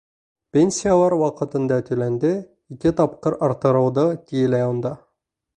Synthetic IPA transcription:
pʲenʲsʲijalˠɑɾwɑqɤ̆t̪ɤ̆nd̪ɑt̪ʰɵ̆lænd̪ɘ | ikʲɪt̪ɑp̚qɤɾɑɾt̪ɤ̆ɾɤ̆wd̪ɤt̪ijɘlæjond̪ɑ

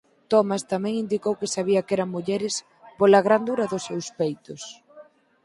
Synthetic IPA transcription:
t̪ɔmast̪amɛ̃ŋind̪ikowkɪsaβiɐkɛɾɐŋmuʎɛɾɪs | polɐɣɾand̪uɾɐðʊsewspejt̪ʊs

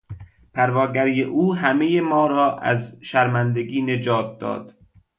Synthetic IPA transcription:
pʰæɾvɒːɡæɾijeʔuːɦæmejemɒːɾɒːʔæ̰zʃæɾmænd̪eɡiːned͡ʒɒːt̪̚d̪ɒ̰ːd̪̥

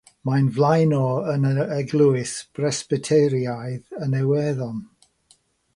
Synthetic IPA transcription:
majnvlˠajnɔənəɛɡlˠuɪsb̥rɛsb̥ɪtʰejɾjajðənɛwɛðɔn

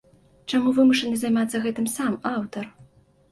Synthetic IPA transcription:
t͡ʂamuvɨmuʂɐnɨzajmat̪sːɐɣɛt̪ɨmsamawt̪ɐr

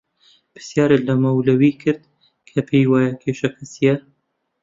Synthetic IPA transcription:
pɨ̥ɾsjaːɾelɐmɐwlɐwiːkʰɨɾd̪̚ | kʰɐpʰejwaːjɐkʰeːʃɐkʰɐsijɛ

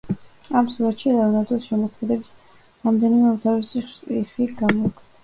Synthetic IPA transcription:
amsuɾat̪ʃiɾavunat̪ɔsʃɛmɔkʰmɛd̪ɛbis | ɾamd̪ɛnimɛut̪ʰavisiiχiɡamɔiɡʰd̪̥a

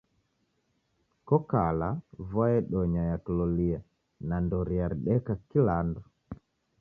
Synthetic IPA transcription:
kɔkalavɔɛɗɔɲajakilɔlia | nandɔɾiaɾiɗɛkakilandɔ

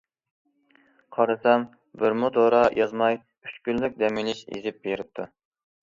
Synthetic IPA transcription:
qʰɑɾɨsɛm | bɪɾmud̪oɾɑjʔɑzmɑj | y̥t͡ʃkʲyllyk̚ʲd̪ɛmilɪʃḛzɪp̚beɾɪp̚t̪ʰu

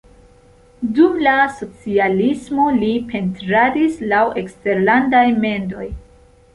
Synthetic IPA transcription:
dumlaso̞t͡sialismo̞lipʰe̞ntɾadislawe̞kste̞ɾlandajme̞ndo̞j

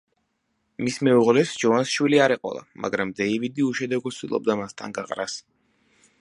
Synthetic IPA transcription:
mismɛuʁlɛsd͡ʒɔvansʃwiliaɾɛqʼɔ̰lˠa̰ma̰ɡɾamd̪ɛivid̪iuʃɛd̪ɛɡɔsʰt̪ilˠɔ̰b̚d̪amast̪ʰa̰nɡaqʼɾas

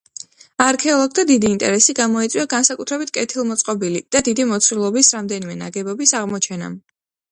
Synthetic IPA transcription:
aɾkʰɛɔlˠɔɡ̚t̪ʰad̪id̪iːnt̪ʼɛ̰ɾɛsiɡamɔit̪sʼiaɡansakʼut̪ʰɾɛbit̪̚ʰkʼɛt̪ʰilˠmɔt̪sʼqʼɔbilid̪̥ad̪id̪imɔt̪sʰɾilˠɔbisɾamd̪ɛnimɛna̰ɡɛbɔbisaʁmɔt͡ʃʰɛna̰

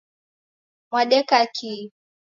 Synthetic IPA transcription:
mwaɗɛkaki

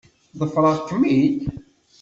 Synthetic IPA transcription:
ðˤəfɾˤɑkːəmːid̪

